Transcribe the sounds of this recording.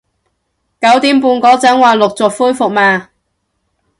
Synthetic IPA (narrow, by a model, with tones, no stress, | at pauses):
kɐ˨˥wt̪iː˨˥mpuː˨˧nkɔː˨˥t͡sɐ˨˥ŋwaː˨˧lʊ˨k̚t͡sʊ˨k̚fuː˥jfʊ˨k̚maː˧